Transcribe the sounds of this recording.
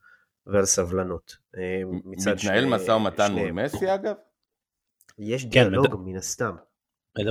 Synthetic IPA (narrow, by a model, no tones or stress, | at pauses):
vealsavlanot̪ | mimt͡siad̪tnaelmasaumat̪anmlmesiaɡav | jeʃ̬d̪ialo̞ɡminast̪am